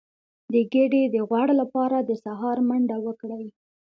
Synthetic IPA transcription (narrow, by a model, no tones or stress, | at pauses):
d̪əɡəɖed̪əɣwaɽalapɑɾad̪əsaɦɑɾmaɳɖawəkɽaj